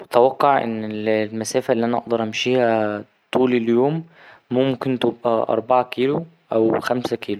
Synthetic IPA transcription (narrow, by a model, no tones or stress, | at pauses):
wet̪æwɑqːɑʕʔḛnːellmæsæːfælːiʔænæʔɑ̰ʔd̪ɑɾˤʔæmʃiːhæ | t̪ˤuːleljoːmː | omkent̪ebʔæ̰ʔɑ̰ɾˤbɑʕɑkiːlo | ʔæwxæmsækʰiːlo